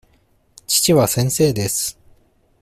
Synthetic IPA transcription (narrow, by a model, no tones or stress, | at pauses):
t͡ɕi̥t͡ɕiβasẽ̞ɰ̃se̞ːd̪e̞sɨ̥